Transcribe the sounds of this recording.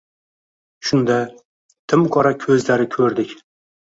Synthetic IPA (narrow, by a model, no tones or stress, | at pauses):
ʃʊnd̪a | t̪ʰɪmqʰɒɾakʲʰɵzlaɾɪkʲʰɵɾd̪ɪkʲ